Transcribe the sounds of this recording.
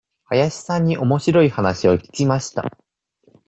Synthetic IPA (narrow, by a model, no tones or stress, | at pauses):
hajaɕi̥sãɲ̟ːiʔo̞mo̞ɕiɾo̞ihanaɕio̞kʲi̥kʲimaɕi̥t̪a̰